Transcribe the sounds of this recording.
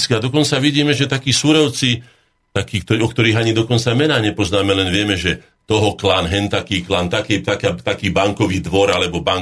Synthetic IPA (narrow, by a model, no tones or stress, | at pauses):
skiad̪ɔkɔnt͡saʋiɟiːmɛʒɛt̪akiːsuɾɔʊt͡si | t̪akiːkt̪ɔɔk̚t̪ɔɾiːɦaɲid̪ɔkɔnt͡samɛnaːɲɛpɔznaːmɛlɛnʋɪɛmɛʒɛ | t̪ɔɦɔklaːnɦɛnt̪akiːklaːnt̪akɛt̪akaːt̪akiːbaŋkɔʋiːd̪ʋɔɾalɛbɔbaŋ